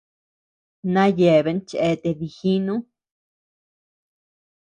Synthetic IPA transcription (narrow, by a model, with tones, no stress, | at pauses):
nã˦je˨βe˧˦nt͡ʃe˧t̪e˨ði˨xi˦nũ˦